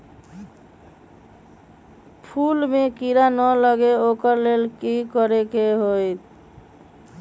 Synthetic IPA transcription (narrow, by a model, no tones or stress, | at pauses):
pʰulmekiɾanələɡeokəɾlelkikɔɾekeɦojt̪